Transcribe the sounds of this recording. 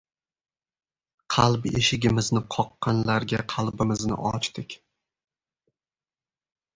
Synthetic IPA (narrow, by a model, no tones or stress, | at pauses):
qʰɑlˠbeʃɪɡʲɪmɪznɪqʰɒqːɑnlaɾɡʲaqʰɑlˠbɪmɪznɪ̰ʔɒ̰t͡ʃt̪ʰɪkʲ